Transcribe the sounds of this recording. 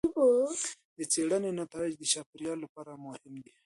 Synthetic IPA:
bo | d̪ət͡seɽənenat̪ɑɪd͡ʒd̪əʃapɾjɑlːapɑɾamʊhɪmd̪i

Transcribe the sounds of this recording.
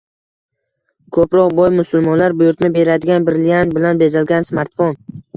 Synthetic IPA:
kʰɵpɾɒqbɒjmʊsʊlˠmɒnlaɾbʊjʊɾt̪nɪbe̞ɾad̪ɪɡʲanbɪɾlijanbɪlanbe̞zalɡʲansmaɾt̪fɒn

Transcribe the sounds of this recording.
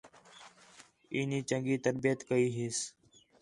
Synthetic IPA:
iːniːt͡ʃəŋɡiːt̪əɾbɪjət̪kəiːɦɪːs

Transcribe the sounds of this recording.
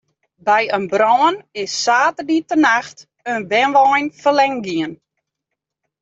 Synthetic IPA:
bɛjənbrɔːənɪsːaːtərditənaxt | ənʋɛnʋɔjnfərlɛŋɡiən

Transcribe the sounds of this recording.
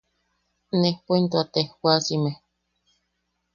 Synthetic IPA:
nepoint̪uat̪ehwasime

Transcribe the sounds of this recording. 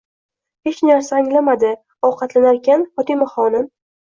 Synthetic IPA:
he̞t͡ʃnaɾsaːŋlamad̪ɪ | ɒwqʰɑt̪lanaɾkʲanfɒt̪imaχɒnɪm

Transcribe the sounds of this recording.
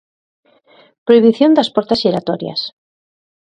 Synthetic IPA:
pɾoiβiθjond̪aspɔɾt̪asʃeɾat̪ɔɾja̰s

